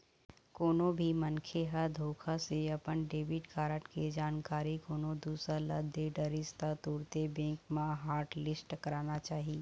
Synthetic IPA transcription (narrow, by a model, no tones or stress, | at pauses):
koːnõbʱimənkʰeɦəɾd̪ʱoːkʰaseɐpənɖeːbɪʈkaːɾəʈked͡ʒaːnkaːɾikoːnõd̪uːsɾalə̰d̪ʱeɖəɾɪst̪at̪uːɾt̪ebẽːkmãɦaːɾʈlɪsʈkɐɾaːnat͡ʃaːɦiː